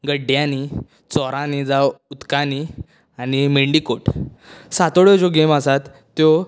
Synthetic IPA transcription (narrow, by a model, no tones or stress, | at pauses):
ɡəɖjãni | t͡sɔɾãnid͡zaut̪kani | animeɳɖikoʈ | sat̪oɽɔd͡ʑɔɡeməsat̪ːjɔ